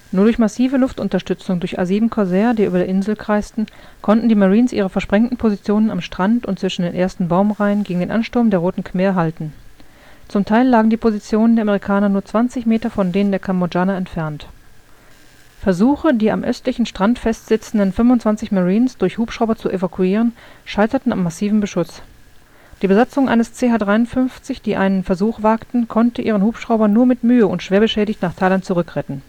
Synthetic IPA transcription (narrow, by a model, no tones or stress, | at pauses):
nuːɐdʊɐçmasiːvəlʊftʔʊntɐʃtʏt͡sʊŋdʊɐça̰ziːdn̩kʰɔzɛːɐdiːʔyːbɐdeːɐʔɪnzl̩kʁ̥aɪstn̩ | kʰɔntn̩diːmaʁiːnsʔiːʁ̞əfɛɐʃpʁ̥ɛŋtn̩pʰozit͡sjoːnənamʃtʁ̥antʊntt͡sv̥ɪʃn̩deːnʔeːɐstn̩baʊmʁaɪənɡeːɡŋ̩deːnʔanʃtʊɐmndeːɐʁoːtn̩kʰm̥eːɐɦaltn̩ | t͡sʊmtʰaɪlːaːɡŋ̩diːpʰozit͡sjoːnəndeɐameʁikʰaːnɐnuːɐt͡sv̥ant͡sɪçmeːtɐfɔndeːnəndeːɐkʰambod͡ʒaːnaɛntfɛɐnt | fɛɐzuːxədiːa̰mʔœ̰stlɪçn̩ʃtʁ̥antfɛstz̥ɪt͡sn̩dənfʏmvʊntt͡sv̥ant͡sɪçmaʁiːnsd̥ʊɐçhuːpʃʁaʊbɐt͡suʔevakʰuiːʁ̞ənʃaɪtɐtn̩a̰mːasiːvm̩bəʃʊs | d̥iːbəzat͡sʊŋʔa̰ɪnəst͡seːhaːdʁaɪʊntfʏnft͡sɪçd̥iːʔa̰ɪnənfɛɐzuːxv̥aːktn̩kʰɔntəʔiːʁ̞ənhuːpʃʁ̥aʊbɐnuːɐmɪtmyːəʊntʃv̥eːɐbəʃɛːɾɪçtnaːχtʰaɪlantt͡suʁʏkʁɛtn̩